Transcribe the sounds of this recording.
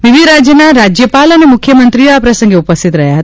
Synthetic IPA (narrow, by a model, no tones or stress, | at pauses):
ʋiʋiɾad͡ʒjənaɾad͡ʒjəpalənemukʰjəmənt̪ɾioapɾəsə̃ŋɡeupəst̪it̪ɾəɦjaɦət̪